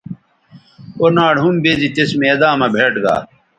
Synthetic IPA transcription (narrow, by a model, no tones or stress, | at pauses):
onaːɽɦumbezit̪esmeːd̪aːmɐbʱeːʈɡa̰ː